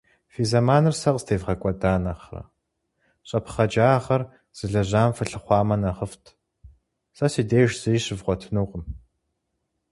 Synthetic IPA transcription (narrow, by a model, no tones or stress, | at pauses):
fiːzɐmaːnɨrsɐqstʰeːvʁɐkʷʼɔdaːnɐχrɐ̰ | ɕʼɐpʰχɐd͡ʒaːχɐr | z̥ɨɮɐʑaːmfɨɬɨχʷɑːmɐnɐʁəftʰ | sɐsiːdeːʒz̥ɨiɕɪvʁʷɔtʰɨnuːqəm